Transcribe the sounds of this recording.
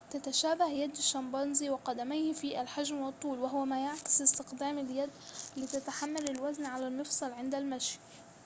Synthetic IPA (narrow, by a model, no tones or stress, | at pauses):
t̪at̪aʃaːbahjad̪aʃːɑmbɑnziwɪqɑd̪amajhfiːʔalħaʒmwɑt̪ˤːuːlwaɦʊwamaːjaʕkɪ̥sˤɪst̪ɪqd̪aːmaljad̪lɪt̪at̪aħamːalɪlwaznʕalalmɨfsˤɑlʕɪnd̪almaʃ